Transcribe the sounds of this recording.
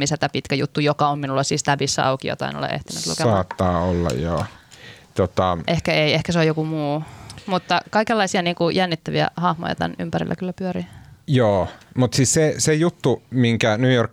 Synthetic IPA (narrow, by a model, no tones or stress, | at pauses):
misæt̪æpit̪kæjut̪ːujokɑomminulːɑsiːst̪æʋisːæ̰ɑ̰ukijo̰t̪ɑ̰ḭno̰lḛʔḛht̪inyt̪lṵskeɑːˑt̪ːɑːolːɑ̰jjo̰ːt̪ot̪ɑʔehkæeiehkæseojokumuːmut̪ːɑkɑikelːɑisiɑniːŋkujænːit̪ːæʋiæ̰hɑhmo̰jɑ̰t̪æ̰ny̰mpærḭlːæ̰kylːæpyøɾijoːmut̪sissesejut̪ːumiŋkænyːjork